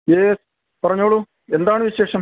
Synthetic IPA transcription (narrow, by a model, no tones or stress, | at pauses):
jes | pɐrɐɲːoːɭu | e̞nd̪aːɳɨʋiɕe̞ːʂɐm